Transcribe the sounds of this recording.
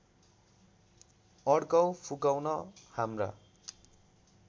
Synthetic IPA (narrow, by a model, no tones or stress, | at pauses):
ʌɽkʌwpʰukawnʌhamra̰